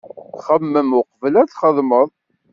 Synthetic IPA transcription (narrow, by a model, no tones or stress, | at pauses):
θχəmːəmʊqvlæθχəðˤməðˤ